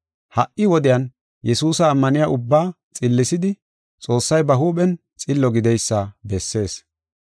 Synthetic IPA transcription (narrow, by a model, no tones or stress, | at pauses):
hɐʔːɪwɔd̪ɪjan | jɛsuːsɐːmːɐnɪjaʔʊbːaː | t͡sʼɪlːɪsɪd̪ɪ | t͡sʼo̞ːsːɐjbɐɦuːɓɛn | t͡sʼɪlːɔɡɪd̪ɛjsːɐbɛsːe̞ːs